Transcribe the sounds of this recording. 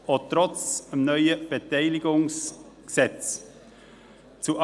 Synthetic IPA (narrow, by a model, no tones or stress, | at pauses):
otɾɔt͡səmnœʏəb̥etɛɪlɪɡʊŋs | ksɛt͡s | t͡suʔ